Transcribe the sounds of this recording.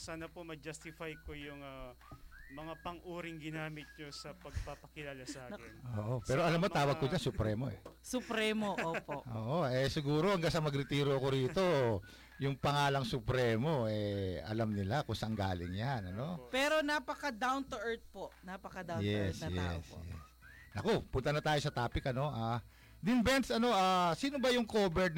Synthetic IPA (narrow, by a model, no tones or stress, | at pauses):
saːnɐpomɐd͡ʒɐst̪ɪfajkojʊŋɐ | mɐŋapɐŋʔuːɾɪŋɡɪnaːmɪt̪̚ɲosɐpɐɡ̚papɐkɪlaːlasaːkɪnʔoːʔopɛːɾoʔɐlamːomt̪aːwɐɡkod͡ʒansʊpɾɛːmo̞ʔɛ̰sʊpɾɛːmoʔoːpoʔʔoːʔoʔɛsɪɡuːɾo̞ɐŋɡasɐmɐɡɾɪt̪iːɾoɐko̞ɾiːt̪o̞ | jʊŋpɐŋaːlɐŋsʊpɾɛːmo̞ʔɛʔɐ̰lɐmnɪlakʊŋsɐʔɐŋɡa̰ːlɪ̰ŋjanɐnopɛːɾonapɐkɐd̪awnt̪ʊʔɛɹt̪̚poʔnapɐkɐd̪ajɛsjɛ̰sjɛ̰s | ʔɐko̞pʊnt̪ɐnɐt̪aːjo̞sɐt̪aːpɪkɐno̞ʔaː | d̪ɪnbɛnt̪sɐno̞ʔaːsiːno̞bɐjʊŋkoːbɛɹd̪̚